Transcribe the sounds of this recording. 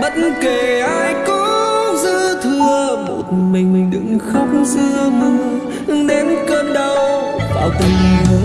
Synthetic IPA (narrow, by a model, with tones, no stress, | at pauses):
ɓə˧˥t̚nke˨˩ʔaː˧jkɔ˧˦zɨ˧t̪ʰɨ˧əmo˨˩t̚mi˨˩jŋ̟mï˨˩ŋ̟ɗɨ̰˧˨˩ŋxə˦˥wk͡p̚ŋ͡mzɨ˧əmɨ˧˩ŋ | ʔɨ˧ŋɗe˨˦nkəː˧nɗə˧˩wɓa̰ː˧˩wt̪i˨˩ŋ˨˦